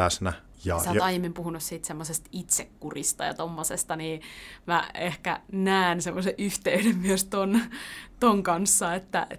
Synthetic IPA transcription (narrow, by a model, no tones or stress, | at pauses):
æsnæ | jɑ̰ssæot̪ɑijemːimpuhunussiːt̪semːosest̪it̪sekːurist̪ɑ̰jɑ̰t̪omːosest̪ɑniːmæehkæ̰næːnsemːoseʔʔyht̪eyɾemmyøst̪ont̪oŋkɑnsːɑet̪ːæ̰e